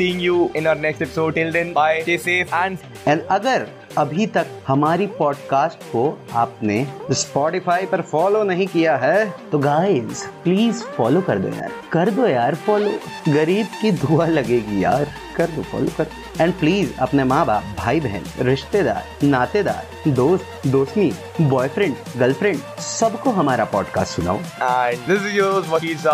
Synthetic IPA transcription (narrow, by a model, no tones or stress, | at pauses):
siːɪ̃ŋɡjuːɪ̃naəɾnɛksʈɛpɪ̥soːɖʈɪlɖə̃nbaːɪkeːseãːɳ | ɛ̃ːɳɖɐɡəɾ | ɐbʱit̪ɐk̚hɐmaːɾipɔːɖkaːsʈkoaːpnespɔːʈɪfaːipɐɾfɔːlonɐɦĩkijaɦɛːt̪oɡaːɪzpliːzfɔːlokɐɾd̪o̰ja̰ːɾkɐɾd̪oːjaːɾfɔːloːɡɐɾiːbkid̪ʱualɐɡeːɡija̰ːɾ | kɐɾd̪ofɔ̰ːlokɐɾd̪oɛ̃ːɳɖpliːzɐ̰pnemãːbaːb̚bʱaːibʱɛɦɛ̰nɾɪʃt̪ed̪a̰ːɾnaːt̪ed̪a̰ːɾ | d̪oːst̪d̪oːsni | bɔːjfɾɪ̃ɳɖ | ɡɐlfʰɾɪ̃ɳɖsɐbkoɦɐmaːɾapɔːɖka̰ːsʈsʊna̰ːoɳd̪ɪsɪjozʋɐkisa